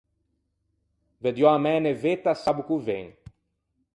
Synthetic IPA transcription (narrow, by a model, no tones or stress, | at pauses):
ved̪joamɛnevet̪asabukuvḛ̃ŋ